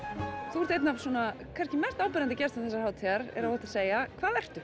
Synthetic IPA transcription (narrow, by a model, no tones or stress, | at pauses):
θuɔɾt̪ejt̪navsɔnakʰvɛn̥scɪmɛr̥t̪aːwpɪɾant̪ɪcɛrst̪amθɛsːaɾhawt̪ʰiaɾɛ̰ɾavɔht̪ḁseːjakʰvaːðɛr̥t̪ʏ